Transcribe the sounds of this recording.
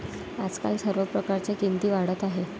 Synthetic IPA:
ad͡zka̰lsəɾʋəpɾəkaɾt͡ɕjakint̪iːʋaɽət̪aɦe

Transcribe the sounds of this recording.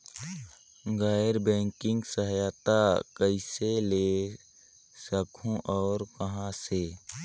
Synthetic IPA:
ɡaːjɾbɛ̃ːŋkɪ̃ŋɡsəɦjaːt̪akəɪsele | səkʰõʔɔːɾkəɦãse

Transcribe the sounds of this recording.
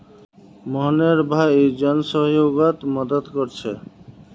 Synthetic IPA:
mɔɦneɾbʱajed͡ʑɔnsɔɦjoɡat̪mɔd̪əd̪koɾt͡ɕʰe

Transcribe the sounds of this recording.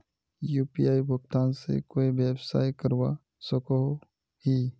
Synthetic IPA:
juːpijaːibʊkt̪aːnsḛkoːibjəbsaːjkəɾwa | səkoɦ | hi

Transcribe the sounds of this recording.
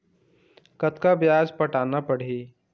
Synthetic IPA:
kət̪kabjaːd͡ʒpəʈaːnapəɽ̤iː

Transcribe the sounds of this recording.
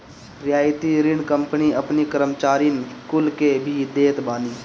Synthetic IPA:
ɾjaːɪt̪iɾɪɳkə̃mpniəpnikəɾəmt͡ʃaːɾinkulkebʱid̪eːt̪baːniː

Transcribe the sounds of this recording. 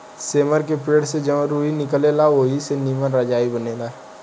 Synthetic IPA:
seːməɾkepeːɽsed͡ʒəməɾuːinɪkəleːlaʋoːɦisenimənɾəd͡ʒaːibəneːlaː

